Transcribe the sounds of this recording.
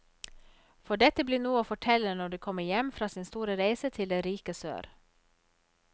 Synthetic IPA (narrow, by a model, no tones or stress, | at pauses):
fɔɖɛt̪əbliːnuːəoːfɔʈʰɛlənɔɖiːkʰɔmːəjɛmfɾɑːsɪːnst̪uːɾəɾæɪsət̪ʰɪld̪ɛɾiːkəsø̰ːɾ